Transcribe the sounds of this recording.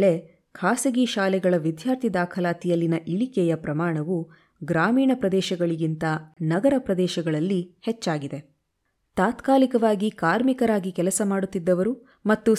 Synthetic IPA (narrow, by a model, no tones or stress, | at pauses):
ɭe | kʰaːsɐɡiʃaːlɛɡɐɭɐʋid̪ʱjaːɾt̪ʰid̪aːkʰɐlaːt̪ijɐlːinɐʔiɭikɛjɐpɾɐmaːɳɐʋu | ɡɾaːmiːɳɐpɾɐd̪ɛːʃɐɡɐɭiɡint̪ɐnɐɡɐɾɐpɾɐd̪ɛːʃɐɡɐɭɐlːihɛt͡ʃːaːɡid̪e̞ | t̪aːt̪kaːlikɐʋaːɡikaːɾmikɐɾaːɡikɛlɐsɐmaːɽut̪ːid̪ːɐʋɐɾu | mɐt̪ːu